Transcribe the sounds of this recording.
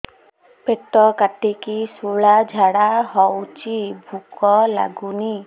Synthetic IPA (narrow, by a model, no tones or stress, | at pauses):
pet̪ɔkaʈikisuɭad͡ʒʱaɽaɦɔwt͡ʃʰibʱukɔla̰ɡuni